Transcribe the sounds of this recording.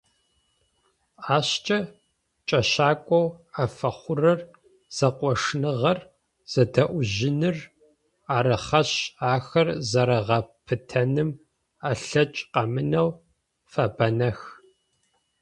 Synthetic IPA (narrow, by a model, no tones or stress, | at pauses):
aːɕt͡ʃʼɐ | t͡ʃʼɐʃaːkʷʼɔwafɐχʷʊrɐr | z̥ɐqʷʼɔʂnɨʁɐr | z̥ɐdɐʔʷʊʒɪnɨr | aːɾɨχɐɕaːxɐrzɐɾɐʁɐpʰɨtʰɐnɨm | aɬɐt͡ʃʼqɐmɨnɐw | fɐbɐnɐx